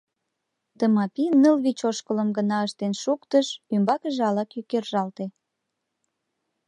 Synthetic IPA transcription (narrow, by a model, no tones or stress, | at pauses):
t̪əmɑpinəlβit͡ɕoʃkələmɡənɑəʃt̪enʃukt̪əʃymbɑkəʒɑlɑkjykerʒɑlt̪e